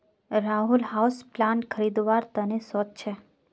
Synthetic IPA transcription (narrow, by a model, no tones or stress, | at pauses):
ɾaɦulhawsplankʰəɾid̪ʋaɾt̪ənesɔt̪̚t͡ʃʰe